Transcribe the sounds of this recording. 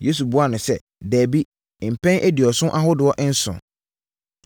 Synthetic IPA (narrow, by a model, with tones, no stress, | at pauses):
je˦s̬u˨bʊ˨˦a˦nʊ̃˨sɛ˦ | dæː˨bi˦˨ | m̩˨pʰɛ̃˦nʔæ˦di˨ɔ˨sʊ̃˦ʔa˦ɦʊ˦dʊ˨ɔ˦ʔɪ̃˦n̩˦sʊ̰̃˨